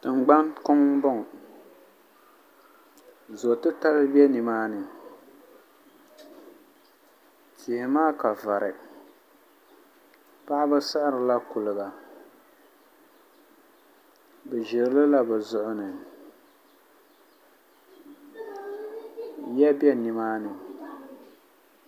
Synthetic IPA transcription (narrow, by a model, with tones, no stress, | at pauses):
tɨ˨ŋ˨ɡ͡ba˦nkʊ˦ŋ˦bɔ˦ŋ˨ | zo˨tɨ˦ta˦lɨ˦bɛ˦ni˨maː˦nɨ˨ | kɪ˨hɪ˨maː˦ka˨va˨ɾɨ˨ | pa˦ʔɪ˦bɨ˦sa˦ʔa˦ɾɨ˨la˦kʊ˨lɨ˨ɡa˨ | bɛ˨ʒɪ˨ɾɨ˨˦lɨ˦la˦bɛ˨zʊ˨ʔʊ˦nɨ˨ | jɛ˦bjɛ˦ni˨maː˦nɨ˨